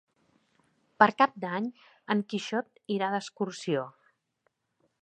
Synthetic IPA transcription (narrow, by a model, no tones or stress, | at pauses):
pəɾkap̚d̪aɲ | əŋkiʃɔt̪iɾaðəskuɾsio